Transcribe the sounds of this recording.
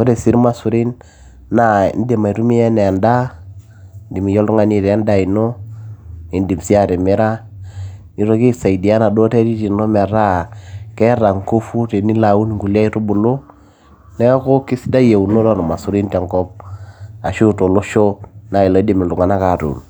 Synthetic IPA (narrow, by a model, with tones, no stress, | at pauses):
o˦ɾe˨si˦ɾma˦su˨ɾi˦n | na˦ḭ˨n˦de˨ma˨i˨ɾu˦mi˦ɛ˦nɛ˨a˨nda˦ | di˨mi˨jo˦lu˦ŋa˦ni˦˨ɾa˦nda˦i˨no˦ | i˨ndi˨msi˦a˦˨ɾe˨me˦ɾa˦ | ni˨˦ɾo˨ki˦sa˨i˨di˨a˦na˨do˦te˦ɾi˦ti˨no˦mɛ˨ɾa˦kɛ˦ɾa˨ŋko˦fu˦te˨ni˦la˨u˦n˨ŋɡu˨li˦a˦i˦ɾu˦bu˨lo˦ | nɛ˦ko˦ki˦si˦da˦je˨u˨no˦lɔ˦ɾma˨su˨ɾi˦ntɛ˨ŋkɔ˦p̚a˨ʃu˦to˨lo˦ʃo˦na˨i˨lɔ˨˦di˨mi˨lu˨ŋa˨na˦ka˨ɾṵ˨n